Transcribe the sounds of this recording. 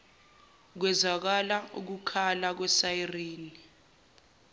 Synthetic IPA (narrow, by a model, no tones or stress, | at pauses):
k̬wɛzak̬alaṵk̬ukʰalak̬wɛsajiriːni